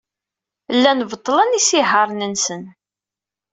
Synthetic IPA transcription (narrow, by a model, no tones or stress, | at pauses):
lːænvət̪ˤːələnisiɦəɾˤnənsən